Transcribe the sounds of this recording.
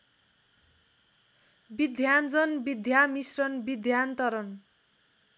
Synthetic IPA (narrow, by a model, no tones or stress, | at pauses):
bid̪ʱjand͡zʌnbid̪ʱjamisrʌnbid̪ʱjant̪ʌɾʌn